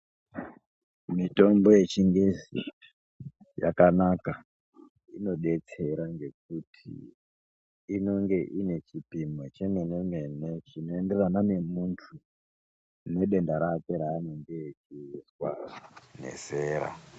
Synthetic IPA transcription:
mito̞mbo̞je̞t͡ʃiŋɡezḭ | ja̰kanaka | ino̞ɗe̞t͡se̞ɾaŋɡe̞k̚utʰḭ | no̞ŋɡe̞ʔine̞t͡ʃipimot͡ʃemenemene̞t͡ʃino̞e̞nde̞rananemuntʰu | ne̞ɗe̞ndaɾakeɾaːnendijet͡ʃiswarnḛseːɾa̰

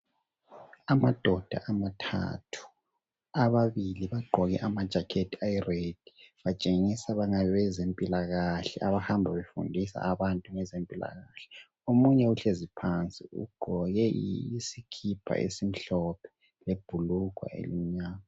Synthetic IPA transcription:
amad̥ʱɔd̥ʱa̰ʔamatʰa̰tʰu̥ | aβaβiliβaɡ͡ǃʱɔɣɛʔamad̥ʒ̥ʱakʰetʰiajired̥ʱi̥βat͡ʃʼeŋisaβaŋaβɛβɛzempʼilaɣaɬɛaβahambʱaβefṵndʱisa̰ːβantʼuŋɛzempʼila̰ɣaɬɛ̥ | omuɲɛuɬezipʰant͡sʼiṵɡ͡ǃʱɔɣɛiisikʰipʰa̰ʔḛsim̩ɬɔpʰɛ̥ | leb̥ʱulukwa̰ʔḛlḭm̩ɲaːma

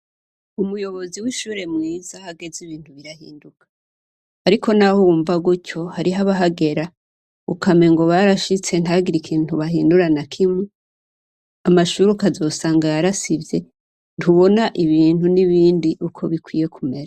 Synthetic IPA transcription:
umujo̞βo̞ziwiʃuːɾe̞mŋiːzahaɡe̞ziβiːnthuβiɾahḭːndukʰḁ | aɾikʰo̞nahuːɱvaɡuco̞haɾiɦaβaɦaɡe̞ɾa | ukame̞ŋɡo̞βaɾaʃit͡se̞ntaɡiɾikʰiːn̥uβaɦiːnduɾanakʰimŋe | amaʃuɾukazo̞ːsaːŋɡajaɾasivje̞ | nʰuβo̞naʔiβiːn̥huniβiːndiʔukʰo̞βikwḭːje̞kʰume̞ɾa

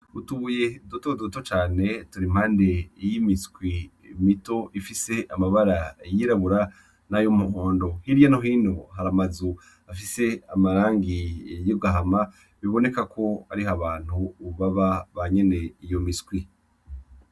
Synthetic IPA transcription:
utuβuje̞dotodotot͡ʃaːne̞tuɾim̥haːnde̞jimiskwi | mito̞ʔifise̞ʔamaβaɾajiɾaβuɾa | najomuhoːndo̞hiɾijanoɦiːnooɦaɾamazu | afise̞amaɾaːŋɡijobɡaɦama | βiβo̞ne̞kakʰo̞aɾiɦaβaːn̥huːβaβaβaɲe̞ne̞ijo̞miskwi

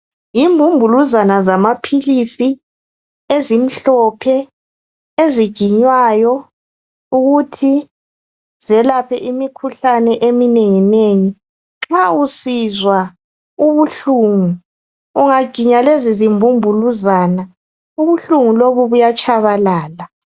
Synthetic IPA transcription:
jimbʱumbʱuluzanazamapʰilisi | ezim̩ɬɔpʰɛ | eziɡ̥ʱiɲwajɔ | uɣutʰi | z̥ɛlapʰɛʔimikʰuɬanɛʔemineŋineŋi | ŋ͡ǁausizwa | uβuɬuŋu | uŋaɡ̥ʱiɲalezizimbʱumbʱuluzaːna | uβuɬuŋuloβuβujat͡ʃʰʼaβalaːla

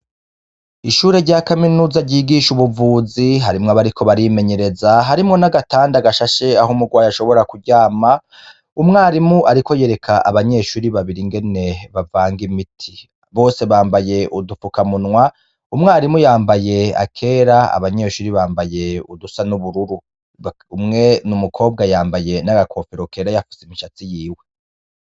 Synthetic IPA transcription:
iʃuːɾe̞ɾɟaːkaminuːzaɾɟiːɡiʃuβuvuːziɦaɾimŋaβaɾikʰo̞βaɾime̞ɲe̞ɾe̞zaɦaɾimŋo̞naɡataːndaɡaʃaʃe̞aɦomuɡwaːjaʃo̞βo̞ɾakuɟaːma | umŋaːɾimuʔaɾiko̞je̞ɾe̞kʰaʔa̰βaɲe̞ʃuːɾiβaβiɾiŋɡe̞ne̞βavaːŋɡimitʰi | βo̞ːse̞βaːmbaje̞ʔudufukamunŋwa | umŋaːɾimujaːmbaje̞a̰kʰe̞ːɾaa̰βaɲe̞ːʃuːɾiβaːmbaje̞udusanuβuɾuɾu | umŋe̞numukʰo̞ːb̚ɡajaːmbaje̞naɡakʰo̞piɾokeɾajafi̥semiʃat͡sijiːwe̞

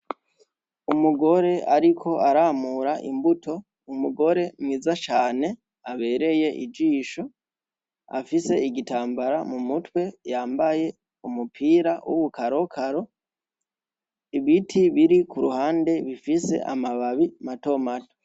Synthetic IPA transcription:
umuɡo̞ɾe̞ʔaɾikʰo̞aɾamuɾaʔḭmbutʰo̞ | umuɡo̞ɾe̞mwiːzat͡ʃaːne̞ | aβe̞ːɾe̞je̞ʔḭd͡ʒiːʃo̞ | afise̞iɡitaːmbaɾamumutwe̞jaːmbaje̞ | umupʰiːɾawʔuβukaɾo̞kʰaɾo̞ | iβitʰiβiɾikuɾuhaːnde̞βifise̞̰ʔa̰maβaβimato̞mato̥

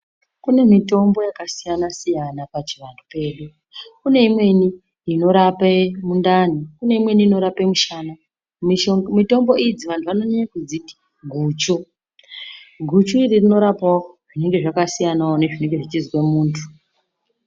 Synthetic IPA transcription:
kune̞mito̞mbo̞jakasijanasijanapat͡ʃiʋantʰupe̞ːɗu | kune̞imwe̞ni | ino̞ɾapemundanikune̞imwe̞niino̞ɾapemuʃaːna | mito̞mbo̞id͡ziʋantʰuʋano̞ɲaɲakud͡ziti̥ | ɡʱuːt͡ʃu | ɡʱut͡ʃuiririno̞ɾapaʐine̞ŋɡe̞ʐakasijanaone̞ʐine̞ŋɡe̞ʐit͡ʃizwemuːntʰu̥

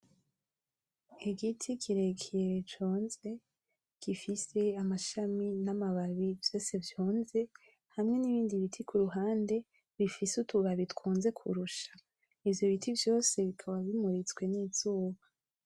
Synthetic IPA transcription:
iɡitʰikiɾe̞kʰejeit͡ʃoːnze̞ | ɡ̥ifise̞amaʃaminamaβaβivjo̞ːsevjoːnze̞ | hamŋe̞niβiːndiβitʰikʰuɾuɦaːnde̞ | βifisutuβaβitkuːnze̞kʰṵɾuʃḁ | ivjo̞βitʰivjo̞ːse̞βikʰaβaβimuɾit͡sɡwe̞niːz̥uːβa

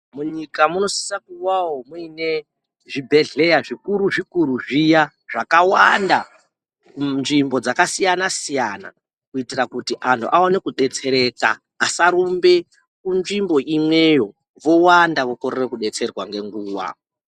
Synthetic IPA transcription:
muɲikamuno̞si̥sakuwawomuine̞ | ʐibʱe̞ɮe̞jaʐikuɾuʐikuɾuʐija | ʐakawanda | nʐimbo̞d͡zakasijanasijana̰ | kuitirakutiʔantʰṵʔao̞ne̞kuɗe̞t͡se̞ɾe̞ka̰ː | saɾumbe̞ | kunʐimbo̞ʔimwe̞jo̞ | ʋo̞wandaʋo̞ko̞ɾerekuɗe̞t͡se̞rwaŋɡe̞ŋɡuːwa̰

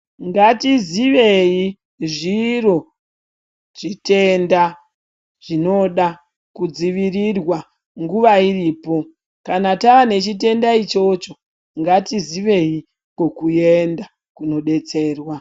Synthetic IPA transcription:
ŋɡatiziʋe̞i | ʐiro̞ | ʐ̥ite̞nda | ʐ̥ino̞ɗa | kud͡ziʋirirwa | ŋɡuʋairiːpo̞ | kanataʋane̞t͡ʃite̞ndait͡ʃo̞t͡ʃo̞ | ŋɡatiziʋe̞i | kokuje̞nda | kuno̞ɗe̞t͡se̞ːrwa

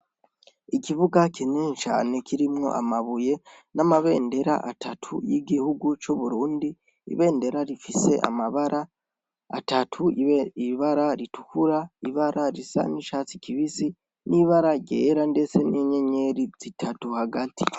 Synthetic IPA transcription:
ikiβuɡakʰineɲt͡ʃa̰ːne̞kʰiɾimŋo̞̰ʔa̰maβuje̞ | namaβe̞ːnde̞ɾa̰ʔatʰatʰujiɡihuɡut͡ʃuβuɾuːndi | ḭβe̞ːnde̞ɾaɾifise̞̰ʔa̰maβaɾa̰ː | tatʰuiβaɾaɾitukuɾaiβaɾʔaɾisa̰niʃaːt͡si̥kiβisi | niβaɾaɡɟeːɾande̞se̞neɲeɲe̞ɾiz̥itʰatuhaɡatʰi̥

